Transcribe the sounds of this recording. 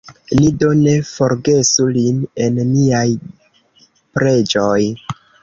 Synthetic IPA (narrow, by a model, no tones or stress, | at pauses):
lido̞ne̞fo̞ɾɡe̞suline̞nːiaj | pɾe̞d͡ʒoj